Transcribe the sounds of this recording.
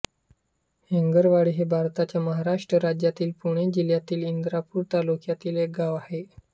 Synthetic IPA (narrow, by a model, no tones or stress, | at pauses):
heŋɡəɾʋaɽiɦebʱaɾt̪at͡ɕjaməɦaɾaʂʈɾəɾad͡ʑjat̪iːlpuɽ̃ed͡ʑiljat̪iːlind̪ɾapuːɾt̪alukjat̪iːleɡaʋahe